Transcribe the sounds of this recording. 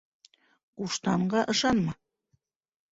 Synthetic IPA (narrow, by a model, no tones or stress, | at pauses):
uʃt̪ɑɴɢɑʔɤ̆ʃɑnmɤ